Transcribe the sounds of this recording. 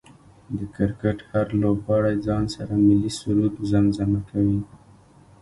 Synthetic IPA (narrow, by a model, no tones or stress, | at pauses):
d̪əkɪɾkaʈhaɾlobɣɑɽajd͡zɑnsaɾamɪlisuɾud̪zamzamakawi